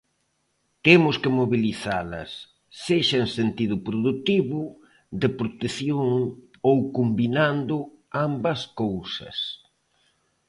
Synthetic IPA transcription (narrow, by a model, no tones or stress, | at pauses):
t̪emʊskɪmoβiliθalɐ̰sː | eʃɐensent̪iðʊpɾoðut̪iβʊ | d̪ɪpɾot̪eθjoŋ | owkombinand̪ʊ | ambɐskowsɐ̰s